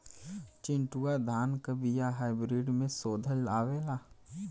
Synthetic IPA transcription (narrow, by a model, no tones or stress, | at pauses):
t͡ʃɪ̃ɳʈuːad̪ʱaːnkɐbijaɦaːɪbɾiːɖmẽsoːd̪ʱəlaːʋeːlaː